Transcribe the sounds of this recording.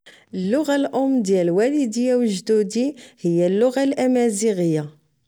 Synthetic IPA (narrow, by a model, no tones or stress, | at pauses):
əlːʊʁalʔʊmːd̪jælwælid̪ijæwʒd̪ud̪ihəjːælːʊɣalʔæmæziʁəja